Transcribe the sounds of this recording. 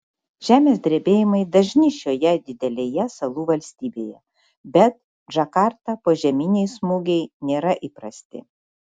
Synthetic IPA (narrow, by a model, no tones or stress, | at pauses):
ʒʲæːmʲeːsd̪ʲɾʲeːbʲeːjɪmɐɪd̪ɐʒʲnʲɪʃʲoːjɛd̪ʲɪd̪ʲɛlʲeːjɛsɐlˠuːʋɐlʲsʲt̪ʲiːbʲeːjɛ | bʲɛt̪̚ | ʒɐkɑɾt̪ɐpoːʒʲɛmʲiːnʲɛɪsmʊɡʲɛɪnʲeːɾɐʔiːpɾɐsʲt̪ʲɪ̰